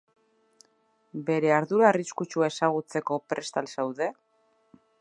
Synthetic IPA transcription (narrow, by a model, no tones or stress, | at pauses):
be̞ɾe̞aɾðuɾaːriskut͡ʃuae̞saɣ̞ut͡se̞ko̞pɾe̞st̪alsawðe̞